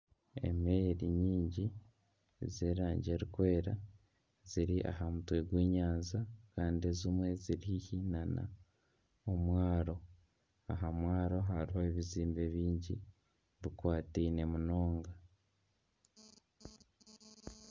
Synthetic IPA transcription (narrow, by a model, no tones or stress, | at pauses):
e̞̰meɾiɲiːɲɟi | zeːɾaːɲɟe̞ɾikwe̞ːɾa | z̥iɾiʔa̰hamutweɡwiːɲaːnzakaːndiezimwe̞ziɾihihinana̰ | omwaːɾo̞ | aɦamwaːɾo̞ɦaɾihoeβiziːmbe̞βiːɲɟḭ | βikwaːtiːne̞muno̞ːŋɡa